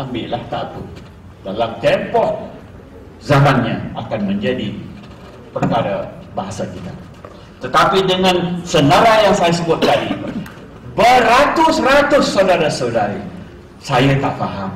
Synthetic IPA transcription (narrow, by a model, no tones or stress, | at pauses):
ʔambɪʔlaht̪aku | dalamt̪ɛmpɔʔ | zamanɲãakanmə̃ɲd͡ʒadi | pərkaɾa | baɦasakit̪a | t̪ət̪apidəŋãnsənaɾajaŋsajasəbʊat̪̚t̪adi | bəɾat̪ʊsrat̪ʊsːawdaɾasodaɾi | sajat̪aʔfaɦam